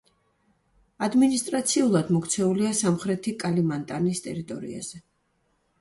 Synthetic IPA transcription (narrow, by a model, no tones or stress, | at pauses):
ad̪minist̪ʼɾat̪sʰiulˠad̪mɔkt̪sʰɛuliasamχɾɛt̪ʰikʼalimant̪ʼanist̪ʼɛɾit̪ʼɔ̰ɾḭa̰z̥ɛ